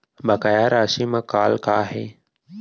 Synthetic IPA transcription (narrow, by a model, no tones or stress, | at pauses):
bəkəjaːɾaːʃiːmãːkaːlkaːɦeː